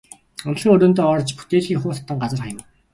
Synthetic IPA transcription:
ɔn̆ɮxiːŋɵɾɵːnt̪ɔːɔrt͡ɕput̪eːɮxiːŋχʊːɮʰt̪ːə̆ŋɢat͡sə̆rχajə̆m

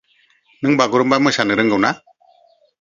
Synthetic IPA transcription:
nɯŋbaɡuɾɯmbamɯsanɯɾɯŋɡɯwna

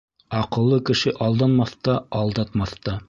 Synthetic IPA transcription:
ɑqɤ̆lˠːɤkɘ̆ʃɘʔɑlˠd̪ɑnmɑθt̪ɑɑlˠd̪ɑt̪mɑθt̪ɑ

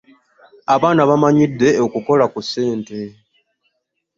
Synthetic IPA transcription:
aβaːnaβamaɲidːe̞okuko̞lakusːe̞ːnte̞

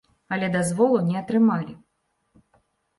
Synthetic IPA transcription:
ɐlʲɛd̪azvɔlˠunʲɛɐt̪ɾɨmalʲi

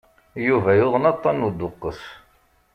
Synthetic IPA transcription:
juvæjʊðˤənɑt̪ˤːɑnud̪ʊqːəθ

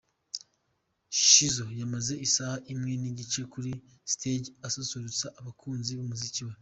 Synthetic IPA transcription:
ʃi̥ʃizo̞jamaze̞ʔisahaʔimŋe̞niɟit͡ʃe̞kuɾi | stʰed͡ʒasosoɾut͡saʔːβakʰuːnziβomuziciwe

